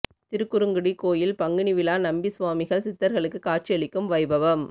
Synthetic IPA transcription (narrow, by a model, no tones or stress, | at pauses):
t̪ɪɾɯkːʊɾɯŋɡɯɽikoːjɪlpɐŋɡɪɳiʋɪlaːnɐmbisʋaːmɪɣɐɭsɪt̪ːɐɾɣɐɭɯkːɯkaːr̚t͡ʃijɐɭɪkːɯmʋɐɪbɐʋɐm